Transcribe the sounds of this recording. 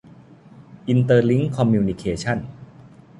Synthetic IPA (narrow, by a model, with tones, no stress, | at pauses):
ʔi˧nt̪ɤː˧li˦˥ŋkʰɔ˧mjuː˧ni˧kʰeː˧t͡ɕʰa˥˩n